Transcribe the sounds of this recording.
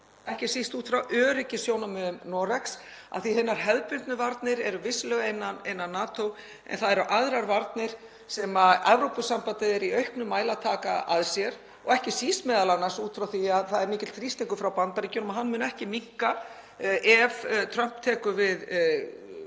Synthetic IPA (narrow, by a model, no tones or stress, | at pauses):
ɛhcɪsist̪uːt̪fɾawʔœːɾɪcɪsjownamʏʏmnɔːɾɛksa̰ðθihɪnːaɾ̥ɦɛðpʏnt̪nʏvaɾt̪nɪɾɛɾʏvɪslœɣejnːanejnːanːaːt̪ow | ɛ̰nθaðɛɾʏʔaðɾaɾvaɾt̪nɪɾ̥ | sɛmaɛvɾowpʏsampat̪ɪðɛɾiœɥhpnʏmːaːjlat̪ʰaːkaa̰ðsjɛɾ | ɔɣɛhcɪsist̪mɛːðalanːḁsuːt̪fɾawθiaðθaðɛɾmiːcɪt̪t̪ʰɾist̪eŋkʏfɾawpant̪aɾiconmaɦanːmʏːnɛhcɪmiŋ̥ka | ʔɛvt̪ʰɾœm̥pt̪ʰɛːkʏvɪð